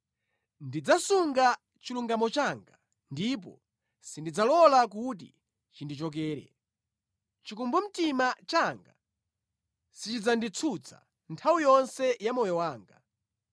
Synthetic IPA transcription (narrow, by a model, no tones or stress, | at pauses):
ndid͡zasuŋɡa | t͡ʃiluŋɡamɔt͡ʃaːŋɡa | ndip̬ɔ̰ | sindid͡zalɔlak̬ut̬ḭ | t͡ʃindit͡ʃɔk̬ɛːɾɛ̰ | t͡ʃikumbɔm̩timat͡ʃaŋɡa̰ | sit͡ʃid͡zandit͡sʰut͡sʰa̰ | ntʰawijɔnsɛjamɔjɔwaːŋɡa̰